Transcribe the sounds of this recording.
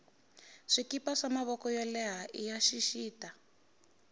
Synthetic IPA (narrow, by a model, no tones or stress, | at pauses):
ʂikipaʂamaβɔkɔjɔlɛɦaʔijaʃiʃiːta